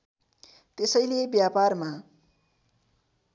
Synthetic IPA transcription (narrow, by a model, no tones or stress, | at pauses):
t̪esʌjlebjaparma